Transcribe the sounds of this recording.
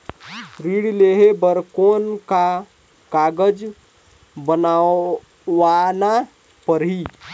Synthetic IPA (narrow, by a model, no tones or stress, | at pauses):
ɾiɽleɦebəɾkonka | kaɡəd͡ʒ | bəna | ʋana | pəɾɦi